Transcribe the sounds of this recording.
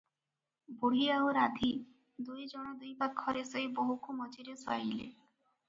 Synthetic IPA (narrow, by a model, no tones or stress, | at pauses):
buɽ̤iaoɾad̪ʱi | d̪ujd͡ʒɔɽ̃ɔd̪ujbak̪̚kʰɔɾesɔjboɦukʰumɔd͡ʒiɾeswa̰jlḛ